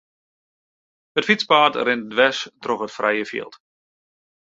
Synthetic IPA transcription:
ətfit͡spaːtrɪndʋɛstroχətfrɛjəfḭəlˠt

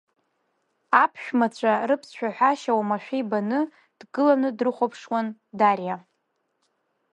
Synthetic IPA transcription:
apʰʃᶣmat͡ɕʷʰʼarɨpʰsʃᶣaħʷᶣaʃawamaʃᶣibanɨ | d̥ɡɨlanɨdrɨχʷopʰʂwandarja

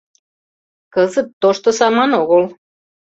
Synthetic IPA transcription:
kəzət̪ːoʃt̪osɑmɑnoɣol

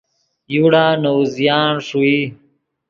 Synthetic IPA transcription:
juɽaːnowzjaːnʂui

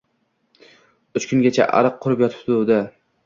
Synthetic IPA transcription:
ʊt͡ʃkʰʲʊŋɡʲat͡ʃʰa̰ʔa̰ɾɨqqʰːʊɾɪpjɒt̪ʰɪ̥pt̪ʊd̪a

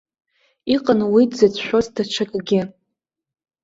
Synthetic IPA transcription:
iqʼanwidʼzet͡sʰʃʷᶣozdaʈ͡ʂʰakʼɡʲɪ

